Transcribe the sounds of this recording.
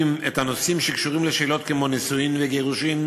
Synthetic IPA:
met̪hano̞simʃekʃuʁimleʃeːlo̞tkemo̞nisuinveɡeʁuʃim

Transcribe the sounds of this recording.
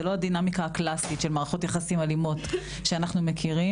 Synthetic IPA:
elo̞adinamikaːklasitʃelmaːʁaχo̞tjaχasimalimo̞t | ʃeanaχnume̞kʰiʁi

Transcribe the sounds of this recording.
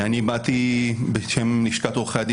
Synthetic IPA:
anibat̪ibeʃemniʃkat̪oχaad̪

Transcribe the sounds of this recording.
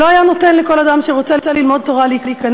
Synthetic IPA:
loajanot̪enleko̞lad̪amʃeʁot͡set͡selilmo̞d̪̚t̪o̞ʁaleiklikan

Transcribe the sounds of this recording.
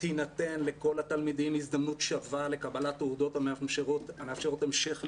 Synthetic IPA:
t̪inat̪e̞nle̞ko̞lat̪almid̪imizd̪amnut̪ʃavale̞kabalat̪eud̪o̞tameamʃeʁot̪ameafʃeʁotemʃeχ

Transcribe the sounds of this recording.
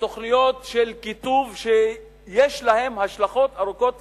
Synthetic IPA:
t̪oχnijo̞t̪ʃelkit̪uvʃe | jeʃlahemhaʃlaχo̞t̪aʁuko̞t̪

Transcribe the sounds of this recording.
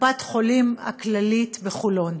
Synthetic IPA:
bat̪χolima̰klalit̪veχulon

